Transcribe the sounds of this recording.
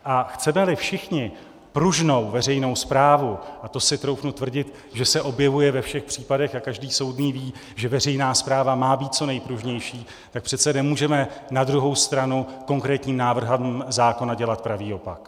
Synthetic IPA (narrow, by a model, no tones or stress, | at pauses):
ʔaxt͡sɛmɛlɪfʃɪxɲɪ | pɾuʒno̞wvɛrɛjno̞wspɾaːvuʔat̪o̞sɪt̪ɾowknut̪vr̩ɟɪt̪ | ʒɛsɛʔo̞bjɛvujɛvɛfʃɛxpr̥iːpadɛxakaʒdiːso̞wdniːviː | ʒɛvɛr̝ɛjnaːspɾaːvamaːbiːt̪̚t͡so̞nɛjpɾuʒɲɛjʃiː | t̪ak̚pr̝̥ɛt̪t͡sɛnɛmuːʒɛmɛnad̪ɾuɦo̞wst̪ɾanuko̞ŋkɾɛːt̪ɲiːmnaːvr̩ɦamzaːko̞naɟɛlat̪̚pɾaviːo̞pak